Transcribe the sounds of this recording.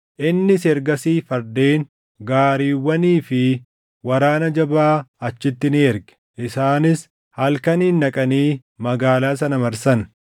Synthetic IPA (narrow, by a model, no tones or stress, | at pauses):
ʔɪnːɪsɛɾɡɐsiːfɐɾd̪eːŋ | ɡaːɾiːwːɐniːfɪ | wɐɾaːnɐd͡ʒɐbaːɐt͡ʃːɪt̪ːɪnɪɛɾɡɛ̥ʔɪsaːnɪs | hɐlkɐniːnːɐkʼɐniː | mɐɡaːlaːsɐnɐmɐɾsɐn